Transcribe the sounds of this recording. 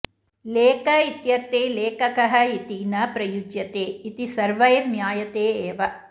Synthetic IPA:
leːkɐit̪jɐɾt̪eːleːkɐkɐɦɐit̪iːnɐpɾɐjud͡ʒjɐt̪eːit̪isɐɾʋɐjɐnjaːjɐt̪eːeːʋɐ

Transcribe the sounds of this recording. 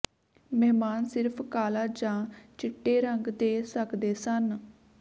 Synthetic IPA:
mɛːmaːnsɪɾpʰkaːlaːd͡ʒãːt͡ʃɪʈːeːɾəŋɡd̪eːsəkd̪eːsən

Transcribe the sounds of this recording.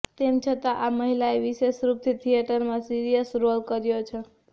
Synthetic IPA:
t̪emt͡ʃʰət̪aʔaməɦilaeʋisesɾup̚t̪ʰit̪ʰijeʈəɾmãsiɾijəsɾolkəɾjot͡ʃʰɛ

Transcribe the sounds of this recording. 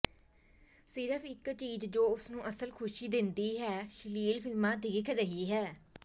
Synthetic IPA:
sɪɾəpʰɪkt͡ʃiːzd͡ʒoːʊsnũːʔəsəlkʰʊʃiːd̪ɪnd̪iːɦɛːʃɪliːlpʰɪlmãːd̪ɪːkʰɾəɦiːɦɛː

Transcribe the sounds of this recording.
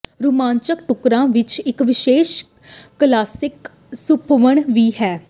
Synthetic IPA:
ɾumãːnt͡ʃəkʈʊkɾãːʋɪt͡ʃɪkʋɪʃeːʃ | kəlaːsɪk | sʊpʰʋəɳʋiːɦɛː

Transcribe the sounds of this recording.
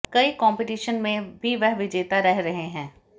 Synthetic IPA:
kɐikɔ̃ːmpɪʈiːʃənmẽbʱiʋɛɦʋɪd͡ʒeːt̪aɾɛɦɾɐɦeɦɛ̃ː

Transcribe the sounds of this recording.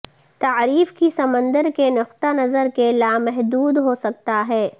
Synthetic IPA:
t̪aːɾiːfkisɐmə̃nd̪əɾkenʊqt̪anɐzəɾkelaːmɛɦd̪uːd̪ɦosɐk̚t̪aɦɛː

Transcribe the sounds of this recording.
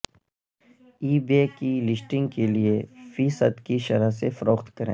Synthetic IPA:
iːbeːkilɪsʈɪ̃ŋɡkeliefiːsəd̪kiʃɐɾəɦsefɐɾoːxt̪kɐɾḛ̃ː

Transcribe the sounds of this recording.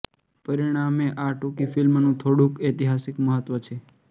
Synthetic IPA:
pəɾiɽ̃ameʔaʈokifilmnũt̪ʰoɽũket̪iɦasɪkməɦət̪ʋət͡ʃʰe

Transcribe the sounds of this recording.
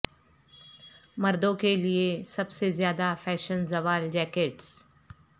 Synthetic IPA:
mɐɾd̪õkeliesɐbsezjaːd̪afɛːʃənzɐʋaːld͡ʒɛːkeːʈs

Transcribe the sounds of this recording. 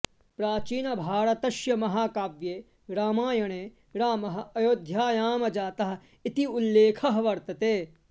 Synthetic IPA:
pɾaːt͡ʃiːnɐbʱaːɾɐt̪ɐʃjɐmɐɦaːkaːʋjeː | ɾaːmaːjɐɳeː | ɾaːmɐɦɐ̆ɐjoːd̪ʱjaːjaːmɐd͡ʒaːt̪ɐɦɐ̆ | it̪iulːeːkʰɐɦɐʋɐɾt̪ɐt̪eː

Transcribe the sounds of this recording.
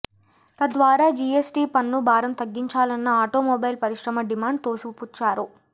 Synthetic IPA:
t̪ɐd̪ʋaːɾaːd͡ʒiesʈiːpɐnːubʱaːɾɐmt̪ɐɡːiɲt͡ʃaːlɐnːɐaːʈoːmoːbɐjilpɐɾiʂɾɐmɐɖimaːɳɖ̚t̪oːsukuput͡ʃːaːɾu

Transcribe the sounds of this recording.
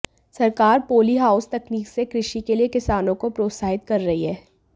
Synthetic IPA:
sɐɾkaːɾpoːliɦaːʊst̪ɐkniːksekɾɪʃikeliekɪsaːnõkopɾoːt̪saːɦɪt̪̚kɐɾːɐɦiɦɛː

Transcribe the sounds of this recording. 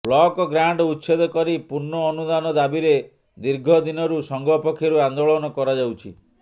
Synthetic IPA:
blɔkɔɡɾaɳɖɔut̪ːt͡ʃʰed̪ɔkɔɾipuɾnɔːnud̪anɔd̪abiɾe | d̪iɾɡʱɔd̪inɔɾusɔŋɡɔpɔkʰjɔɾuand̪oɭɔnɔkɔɾad͡ʒawt͡ʃʰḭ

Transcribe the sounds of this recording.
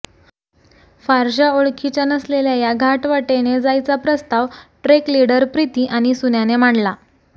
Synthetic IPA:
faɾɕaoɭkʰit͡ɕanəsleljajaɡʱaʈʋaʈened͡zajt͡sapɾəst̪aʋʈɾekliɽəɾpɾit̪iːʔaɽ̃isunjanem̤aɳla

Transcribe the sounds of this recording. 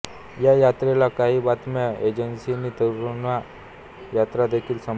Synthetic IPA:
jajat̪ɾelakaɦiːbat̪mjaed͡ʑənsiniːt̪əɾuna | jat̪ɾad̪ekʰiːlsəm

